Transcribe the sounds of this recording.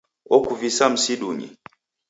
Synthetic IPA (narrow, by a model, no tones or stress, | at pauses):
ɔkuvisam̩siɗuɲḭ